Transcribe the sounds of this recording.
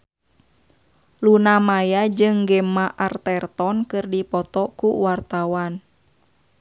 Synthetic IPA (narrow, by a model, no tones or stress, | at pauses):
lunamajad͡ʒɨŋɡɛmaʔart̪ɛrt̪ɔnkɨrdipɔt̪ɔkuwart̪awan